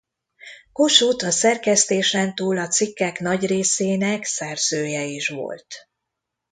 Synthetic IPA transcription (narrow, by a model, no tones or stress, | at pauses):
ko̞ʃut̪ɒsɛrkɛst̪eːʃɛnt̪uːlɒt̪sikːɛknɒɟreːseːnɛksɛrz̥øːjɛiʃʋo̞̰lt̪